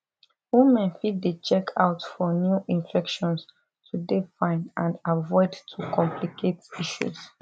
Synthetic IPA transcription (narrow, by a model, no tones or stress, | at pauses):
wimɛ̃nfit̚det͡ʃɛkʰaʊtfɔnjuʔĩnfɛkʃɔ̃ns | tʰudɛfãɪ̃nãnavɔɪdtʰukʰɔ̃mplikʰetiʃṵz